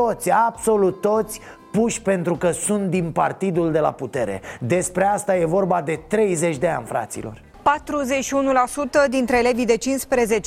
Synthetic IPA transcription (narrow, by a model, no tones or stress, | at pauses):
o̞t̪sʲabso̞lut̪ːo̞t̪sʲ | puʃʲpe̞nt̪ɾukəsunt̪̚d̪inpa̰rt̪id̪uld̪e̞la̰put̪e̞ɾe̞̰d̪e̞spɾe̞ast̪aje̞vo̞rbad̪e̞t̪ɾe̞jze̞t͡ʃʲd̪e̞a̰nʲfɾa̰t̪sḭlo̞̰r | pat̪ɾuze̞t͡ʃʃiunulasut̪əd̪int̪ɾeːle̞vijd̪e̞t͡ʃinspɾe̞ze̞t͡ʃe